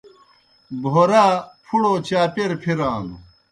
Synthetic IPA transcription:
bʱoːɾaːpʰuɽoːt͡ɕaːpeɾpʰiɾaːnṵ

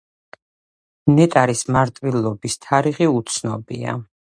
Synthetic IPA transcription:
nɛt̪ʼaɾismaɾt̪ʼvilˠɔbist̪ʰaɾiχiut̪sʰnɔbia̰

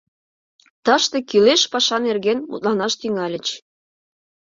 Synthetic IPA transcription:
t̪ɑʃt̪ĕkyleʃpɑʃɑnerɣenmṵt̪̚lɑnɑʃt̪yŋɑlʲə̆t͡ɕ

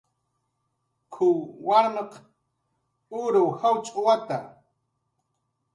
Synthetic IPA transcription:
kʰʊwwaɾmeq | ʊɾʊwhawt͡ʃʼʊwat̪a

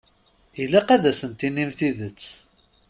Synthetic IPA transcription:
ilːæqæðæsənt̪inːimθiðət͡sː

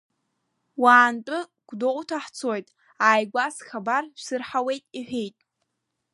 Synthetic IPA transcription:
waːntʼɨɡ̥ʷdotʰaħt͡sʰojtʼ | aːjɡʷasxabarʃʷsɨrħawe̞jtʼiħᶣejtʼ

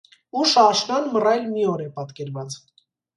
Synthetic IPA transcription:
uʃɑʃnɔnmərɑjlmiɔɾɛpɑt̪kɛɾvɑt͡s

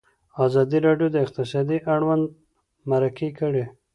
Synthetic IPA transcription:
azɑd̪iɾɑɖjod̪əɪq̚t̪ɪsɑd̪iʔaɽwand̪ | maɾakʰekəɽe

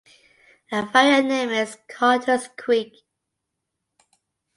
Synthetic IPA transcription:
əfaɪənẽɪ̃mɪz̥kʰɑtʰəskʰw̥ik

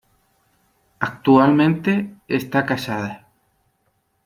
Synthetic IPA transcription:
ak̚t̪ualmẽnt̪eest̪akasaða

